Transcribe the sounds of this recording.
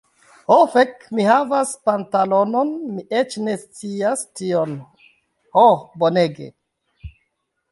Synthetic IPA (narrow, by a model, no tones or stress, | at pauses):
hofekmihavaspantalo̞no̞nmiʔet͡ʃne̞st͡siastio̞n | hoboneɡḛ